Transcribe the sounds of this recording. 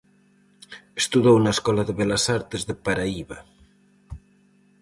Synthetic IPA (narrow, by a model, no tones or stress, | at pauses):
est̪uðownaeskɔlaðeβelasaɾt̪ezðepaɾaiβa